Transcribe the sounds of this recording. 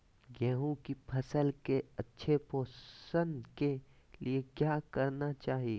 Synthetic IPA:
ɡɛːɦũkipʰɐsəlkeɐtːʃʰepoːsə̃nd̪ke | liekjaːkɐɾnat͡ʃaːɦie

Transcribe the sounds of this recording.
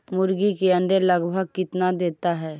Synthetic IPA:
mʊɾɡikeə̃nɖ̪eləɡbʱəɡ̚kɪt̪nad̪eːt̪aɦɛː

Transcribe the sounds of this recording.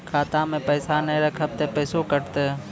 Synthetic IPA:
kʰaːt̪ãːmẽːpəːsaːnəĩɾəkʰəb̚t̪eːpəːsoːkəɾt̪eː

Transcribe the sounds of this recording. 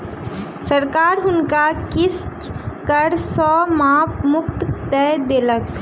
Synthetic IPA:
səɾkaːɾɦʊnkakɪst͡ʃkəɾsɔːmãːpmʊk̚t̪t̪ɛd̪eːlək

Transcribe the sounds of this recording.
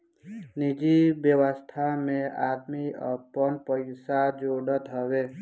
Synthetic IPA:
nid͡ʒibjəwəst̪ʰamẽad̪miʌ̰pɔnpəjsad͡ʒoɽʌt̪ɦɔwe

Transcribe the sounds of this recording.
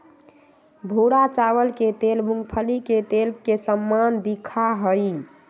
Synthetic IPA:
bʱuɾat͡ʃawəlket̪elmuŋɡpʰəliket̪elkesəmːand̪ikʰaɦəɪ

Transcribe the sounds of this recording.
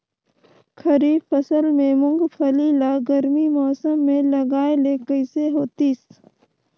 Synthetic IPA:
kʰəɾiːbfəsəlmẽmʊ̃ŋɡpʰəliːlaɡəɾmimɔːsəmːẽlɐɡaːelekəɪseɦoːt̪iːs

